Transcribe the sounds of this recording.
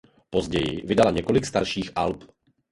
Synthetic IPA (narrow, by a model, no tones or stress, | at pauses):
po̞zɟɛjɪ̰vɪdalaɲɛko̞lɪkst̪aɾʃiːxʔalp